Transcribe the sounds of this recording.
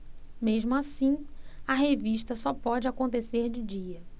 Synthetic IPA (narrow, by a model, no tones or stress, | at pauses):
meʒmʊasĩɐɦeviʃt̪ɐsɔpɔd͡ʒɪakõt̪eseɾd͡ʒɪd͡ʒiɐ